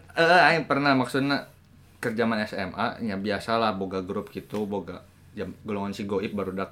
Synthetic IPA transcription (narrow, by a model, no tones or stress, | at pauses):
əaipərnahmaksʊt̪̚na | kərd͡ʒamanɛsɛ̰ma̰ɲabiasalahboɡaɡɾʊp̚kit̪uboɡa̰ | d͡ʒamɡoloŋansiɡoip̚baɾudak̚